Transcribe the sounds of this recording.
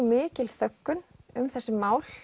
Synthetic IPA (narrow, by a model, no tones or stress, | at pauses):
mɪːcɪlθœkːʏnʏmθɛsːɪmaːwl̥